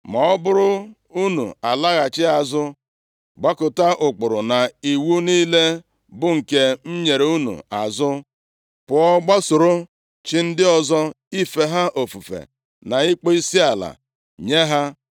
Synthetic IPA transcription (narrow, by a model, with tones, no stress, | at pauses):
mɔ˨ɔ˦bʊ˦ɾʊ˦ | u˦nṵ˨a˨la˦ɣa˨t͡ʃɪ˦a˨zʊ˦ | ɡ͡ba˦kʊ˨ta˦ʔʊ˨k͡pʊ˨ɾʊ˨na˨i˨wu˦niː˦le˦ | bʊ˦ŋ̩˨ke˦m̩˦ɲe˨ɾe˨u˦nṵ˨a˨zʊ˦ | pʊ˨ɔ˦ɡ͡ba˦sʊ˨ɾʊ˦ | t͡ʃɪ˦n̩˦dɪ˦ɔ˨zɔ˦ | i˦fe˨ɦa˦ʔo˨fu˨fḛ˨ | na˨i˦k͡po˦i˦si˦a˨la̰˨ | ɲe˦ɦa˦